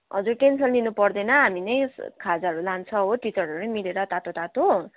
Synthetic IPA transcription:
ɦʌd͡zurʈensʌnlinupʌrd̪ʌjnʌɦaminʌjkʰad͡zaʌɾulant͡sʰʌɦoʈit͡sʌrɦʌɾunʌmileɾʌt̪at̪ot̪at̪o

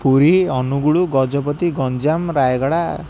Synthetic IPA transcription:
puɾiɔnuɡuɭuɡɔd͡ʒɔpɔt̪iɡɔnd͡ʒamɾajɡɔɽa

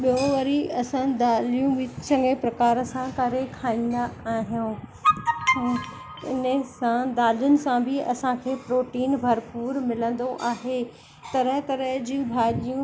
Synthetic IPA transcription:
ɓijõʋɐɾiɐsə̃d̪aːlijũʋɪsɐ̃ŋɡepɾɐkaːɾə̆sãkɐɾekʰaːĩːn̆d̪aːɦijũ | ɪnəsãd̪aːlijʊnɪ̆sãbʱɪɐsãkʰeːpɾoːʈiːnbʱɐɾpuːɾmɪlə̃nd̪oʔaːɦe | t̪ɐɾəɦk̪ɐɾəɦd͡ʑĩũbʱaːlijũ

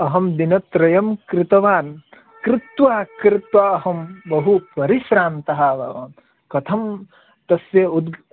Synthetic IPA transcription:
ɐɦɐmd̪inɐt̪ɾɐjɐmkɾɪt̪ɐʋaːn | kɾɪt̪ʋaːkɾɪt̪ʋaːɐɦɐmbɐɦupɐɾiʃɾaːnt̪ɐɦaːbɐ̰ʋɐ̰n | kɐt̪ʰɐm | t̪ɐsjɐud̪

